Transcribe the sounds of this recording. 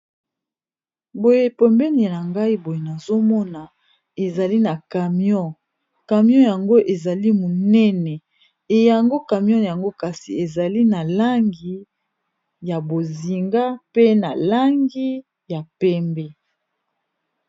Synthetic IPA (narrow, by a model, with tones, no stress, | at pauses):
bo˨je˦˨pɛ˨mbɛ˦ni˨na˨ŋɡa˦i˦bo˨je˨na˨zo˦mɔ˦na˨ | e˨za˨li˦na˨ka˨mjɔ̃˦˨ | ka˨mjɔ̃˦ja˨ŋɡo˦ʔe˨za˨li˦mo˨nɛ˦nɛ˨ | e˨ja˨ŋɡo˦ka˨mjɔ̃˦˨ja˨ŋɡo˦ka˨si˨e˨za˨li˦na˨la˦ŋɡi˨ | ja˨bo˨zi˨ŋɡa˦pe˦na˨la˦ŋɡi˦ | ja˨pɛ˦mbɛ˦